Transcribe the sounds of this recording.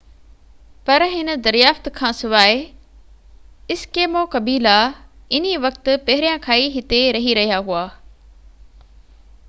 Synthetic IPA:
pɐɾɦɪnə̆d̪ɐɾijaːft̪kʰãːsɪʋaːe | ɪskeːmokɐbiːlaɪniʋɐkt̪ʊ̆pɐɦɪɾijãkʰaːiɦɪt̪eɾɐɦiɾɐɦijaɦuaː

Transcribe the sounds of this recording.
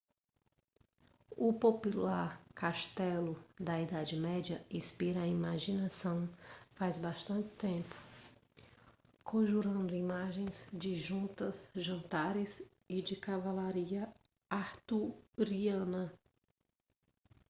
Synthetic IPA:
ʊpopulaɾkaʃt̪ɛlʊd̪ɐid̪ad͡ʒɪmɛd͡ʒɐĩspiɾɐaimaʒinasɐ̃w̃fajzbaʃt̪ɐ̃nt͡ʃɪ̥t̪ẽpʊ̥ | kʰõʒuɾɐ̃nd̪ʊimaʒẽj̃zd͡ʒɪʒũnt̪ɐzʒɐ̃nt̪aɾɪs | ɪd͡ʒɪkavalaɾiɐ | aɾt̪uɾiɐ̃nɐ

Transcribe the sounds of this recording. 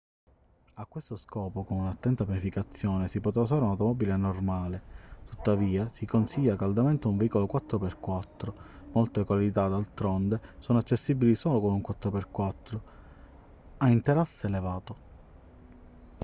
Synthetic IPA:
akːwest̪oskɔːpokonunat̪ːɛnt̪apjanifikat̪sːjɔːnesipot̪ɾafaɾeunawt̪omɔːbilenormaːlet̪ut̪ːaviːasikonsiʎːakald̪ament̪ouɱveikolokwat̪ːɾoperkwat̪ːɾomɔlt̪ekwalit̪ad̪alt̪ɾɔnd̪esɔːnoat͡ʃːesːibilisoːlokonuŋkwat̪ːɾoperkwat̪ːɾo | aint̪eɾasːeelevaːt̪o

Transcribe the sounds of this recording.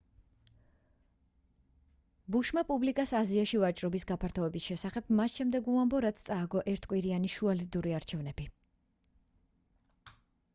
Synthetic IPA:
buʃmapʼublikʼasaziaʃivat͡ʃʼɾɔbisɡapʰaɾt̪ʰɔɛbisʃɛsaχɛbmasʃɛmd̪ɛɡuambɔɾat̪st̪sʼaːɡɔʔɛɾt̪ʰkʼwiɾianiʃualid̪uɾiaɾt͡ʃʰɛvnɛb̥i

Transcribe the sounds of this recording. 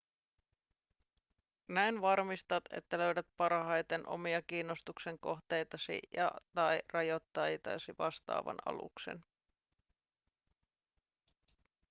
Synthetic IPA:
næjnʋɑrmist̪ɑt̪e̞̰t̪ːælø̞ɥdæt̪̚pɑrɦɑjt̪enʔo̞̰miɑkiːnːo̞st̪ukse̞ŋko̞xt̪e̞jt̪ɑsḭjɑ̰t̪ɑjrɑjo̞t̪ːɑjt̪ɑ̰siʋɑst̪ɑ̰ːʋɑ̰nɑ̰lṵkse̞̰n

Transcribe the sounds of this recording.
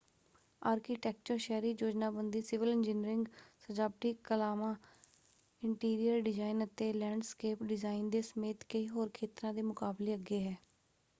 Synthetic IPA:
aːɾkiːʈɛːk̚t͡ʃəɾʃɛːɾiːd͡ʒoːd͡ʒnaːbənd̪iːsɪʋəlɪ̃nd͡ʒɪniɾɪŋɡsəd͡ʒaːb̚ʈiːkəlaːmãː | ɪɳʈiːɾijəɾɖɪd͡ʒaːinət̪eːlɛ̃ːɳɖskeːpɖɪzaːind̪eːsəmeːt̪kəiːɦoːɾkʰeːt̪ɾãːd̪eːmʊkaːbleːəɡeːɦɛː

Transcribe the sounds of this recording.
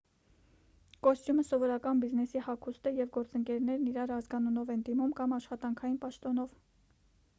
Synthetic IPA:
kɔst̪juməsɔvɔɾɑkɑnbiznɛsihɑkʰust̪əjɛvɡɔɾt͡səŋkɛɾnɛɾniɾɑɾɑzɡɑnunɔvɛnd̪imumkɑmɑʃχɑt̪ɑŋkʰɑjinpɑʃt̪ɔnɔv

